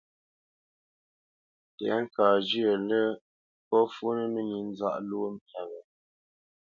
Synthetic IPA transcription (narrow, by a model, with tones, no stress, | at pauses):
tɛ̰˨˦ŋ̩˦˨kaː˨d͡ʒi˦ə˨lə˦ | pɔ˦fu˦nə˦mə˦ɲi˨n˦za̰˦ʔlo˦m˦pa˨ɣə˨